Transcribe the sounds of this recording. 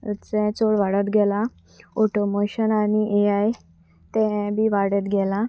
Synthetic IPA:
ət͡sɛ̃t͡soɽʋaɽət̪ɡʱɛla | oʈomoɕənañiʔeaj | t̪ɛ̃bʱiːʋaɽət̪ɡʱɛla

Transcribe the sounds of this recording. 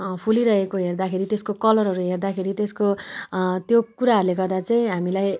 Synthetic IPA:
pʰuliɾʌɦekoɦerd̪akʰeɾit̪eskokʌlʌrɦʌɾuɦerd̪akʰeɾit̪esko | t̪jokuɾaɦʌɾuleɡʌrd̪at͡sʌĩɦamilaj

